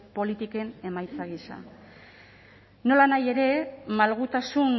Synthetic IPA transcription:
po̞lit̪ike̞ne̞majt͡saɣisa̰ | no̞lanaje̞ɾe̞malɣut̪asun

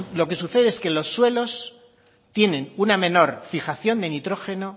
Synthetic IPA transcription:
lo̞ke̞s̬uθe̞ðe̞eske̞lo̞sːwe̞lo̞s | t̪je̞nẽ̞nunamẽ̞no̞ɾfixaθjo̞nd̪enit̪ɾo̞xe̞no̞

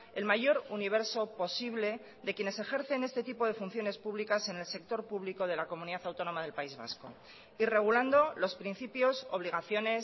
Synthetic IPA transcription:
e̞lmaʝo̞ɾuniβ̞e̞ɾso̞po̞siβle̞ | ðe̞kje̞ne̞se̞xe̞ɾθe̞ne̞st̪e̞t̪ipo̞ðe̞fun̟θjo̞ne̞spuβlikase̞ne̞lse̞k̚t̪o̞ɾpuβliko̞ð̞e̞lako̞mũniðaθawt̪o̞no̞maðe̞lpaizβa̰sko̞ | ire̞ɣ̞uland̪o̞lo̞spɾin̟θipjo̞so̞β̞liɣ̞aθjo̞ne̞s

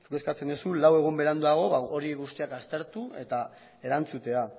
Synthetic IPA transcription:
sukeskat͡se̞nesulawe̞ɣ̞umbe̞ɾand̪uaɣ̞o̞βaoɾiekɡust̪iakast̪e̞ɾt̪ue̞t̪a | e̞ɾant͡sut̪e̞a

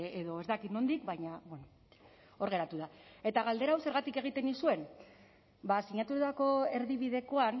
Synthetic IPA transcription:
eðo̞e̞zd̪akit̪no̞nd̪ikbajɲabeno | o̞ɾɣe̞ɾat̪uðae̞t̪aɣald̪e̞ɾawse̞ɾɣat̪ike̞ɣ̞it̪e̞nisue̞n | basiɲat̪ut̪ako̞e̞ɾðiβ̞iðe̞ko̞an

